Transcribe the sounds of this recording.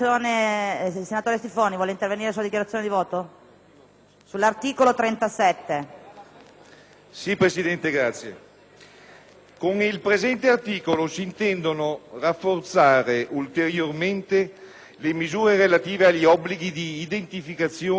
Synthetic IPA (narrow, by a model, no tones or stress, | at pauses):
oːne | senat̪oːɾjest̪ifoːnivwɔːleint̪erveniːɾesuad̪ikjaɾat̪sːjoːned̪ivɔːt̪o | sulːart̪iːkolot̪ɾɛnt̪asɛt̪ːe | sipɾesid̪ɛnt̪eɡɾat̪sːje | koŋilpɾezɛnt̪eart̪iːkolosiːnt̪ɛnd̪onorafːort̪saːɾeʔult̪eɾjorment̪e | lemizuːɾeɾelat̪iːveaʎːiɔbːliɡid̪iːd̪ent̪ifikat̪sːjoː